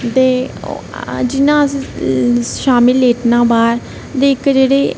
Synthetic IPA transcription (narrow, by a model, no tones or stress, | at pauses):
t̪ḛː | d͡ʒɪnãː | ʃaːmɪlːeːʈnãːbaːɾ | d̪eːɪkd͡ʒeːɽeː